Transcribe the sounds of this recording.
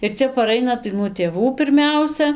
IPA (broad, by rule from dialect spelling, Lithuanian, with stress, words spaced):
ɪr ˈt͡sʲɛ pɐˈrɐɪnɐ tɐɪ nuɔ tʲeːˈʋuː pʲɪrʲˈmʲɛʊsʲɛ